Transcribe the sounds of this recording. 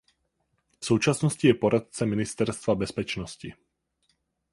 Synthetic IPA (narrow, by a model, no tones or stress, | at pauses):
fsowt͡ʃasnoscɪjɛpoɾʔat̪̚t͡sɛmɪnɪst̪ɛɾst̪vabɛspɛt͡ʃnoscɪ